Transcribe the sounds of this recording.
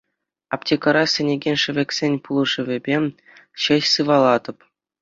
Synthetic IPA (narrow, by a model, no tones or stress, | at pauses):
ɑptʲekɤ̆ɾɑsʲɘ̆nʲeɡʲenʲʂɘ̆ʋʲĕkʲsʲenʲpulˠɤ̆ʐɘ̆vʲɘ̆bʲe | ɕɘ̆ɕsɯʋɑlˠɑd̪ɤ̆p